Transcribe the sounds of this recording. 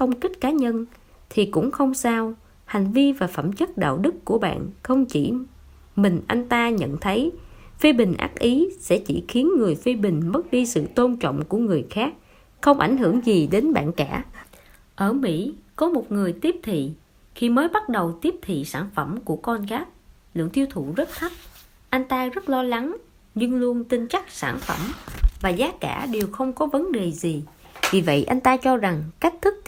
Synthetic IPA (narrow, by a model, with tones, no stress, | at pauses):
xə˧wŋ͡mkï˦˥t̟̚kaː˨˦ɲə˧n | t̪ʰi˨˩kʊ̰˧˥ŋ͡mxə˧wŋ͡msaː˧w | ha˨˩jŋ̟vi˧vaː˨˩fə˧˩mt͡ɕə˦˥t̚ɗa̰ː˧˨wɗɨ˦˥kːu˧˩əɓa̰ː˧˨nxə˧wŋ͡mt͡ɕḭ˧˩ | mï˨˩ŋ̟ʔa˧jŋ̟t̪aː˧ɲə̰˧˨nt̪ʰə˨˦jfi˧ɓï˨˩ŋ̟ʔa̰ː˦˥k̚ʔi˨˦sɛ̰˧˥t͡ɕḭ˧˩xi˨˦ənŋɨ˨˩əjfi˧ɓï˨˩ŋ̟mə˦˥t̚ɗi˧sɨ̰˧˨t̪o˧nt͡ɕɔ̰˧˨wŋ͡mku˧˩əŋɨ˨˩əjxaː˦˥k̚ | xə˧wŋ͡mʔa˧˩jŋ̟ɦɨ˧˩əŋzi˨˩ɗe˨˦nɓa̰ː˧˨nkaː˧˩ | ʔəː˧˩mḭ˧˥kɔ˨˦mo˨˩t̚ŋɨ˨˩əjt̪i˦˥əp̚t̪ʰḭ˧˨ | xi˧məː˨˦jɓa˦˥t̚ɗə˨˩wt̪i˦˥əp̚t̪ʰḭ˧˨saː˧˩nfə˧˩mku˧˩əkɔ˧nɣaː˦˥j̚ | lɨ̰˧˨əŋt̪ʰi˧əwt̪ʰṵ˧˨zə˦˥t̚t̪ʰə˦˥p̚ | ʔa˧jŋ̟t̪aː˧zə˦˥t̚lɔ˧la˨˦ŋ | ɲɨ˧ŋlu˧ənt̪i˧nt͡ɕa˦˥k̚saː˧˩nfə˧˩mvaː˨˩zaː˨˦ka̰ː˧˥ɗe˨˩wxə˧wŋ͡mkɔ˨˦və˨˦nɗe˨˩zi˨˩vi˨˩və̰˧˨jʔa˧jŋ̟t̪aː˧t͡ɕɔ˧za˨˩ŋka˦˥k̚t̪ʰɨ˦˥k̚